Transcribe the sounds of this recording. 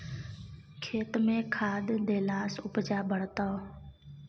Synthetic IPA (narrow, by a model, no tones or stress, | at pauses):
kʰeːt̪mẽːkʰaːd̪d̪eːlaːsʊpd͡ʒaːbʱəɽt̪oː